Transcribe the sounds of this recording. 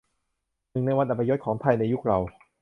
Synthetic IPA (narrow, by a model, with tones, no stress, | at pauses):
nɯ˨˩ŋna˧jwa˧nʔa˨˩pʰːa˧jo˦˥t̪̚kʰɔː˩˦ŋpʰa˧jna˧jːu˦˥k̚ɾa˧w